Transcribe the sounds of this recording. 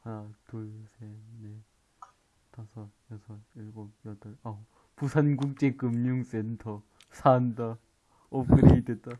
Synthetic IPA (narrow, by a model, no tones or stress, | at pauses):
atuɭsene | tasʰʌjʌsʰʌiɭɡojʌdʌɭa | pusʰanɡuk̚t͡ɕ͈ekɯmɲuŋsentʰʌ | sʰanda | okɯɾeidwet̚t͈a